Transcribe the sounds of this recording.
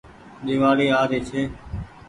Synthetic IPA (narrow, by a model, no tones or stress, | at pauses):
ɗɪːʋaːɾiːaːɾeːt͡ʃʰeː